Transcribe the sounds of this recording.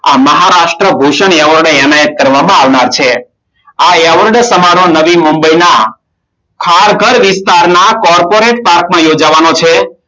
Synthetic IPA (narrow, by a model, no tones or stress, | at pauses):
aməɦaɾaʃʈɾəbʱuʃəɳaʋəɾɽɛnajət̪̚kəɾʋamãaʋnaɾt͡ʃʰe | aaʋəɾɖsəmaɾõnəʋimumbəjna | kʰaɾɡʱəɾʋɪst̪aɾnakɔɾpoɾeʈ̚paɾkmãjod͡ʒaʋanot͡ʃʰe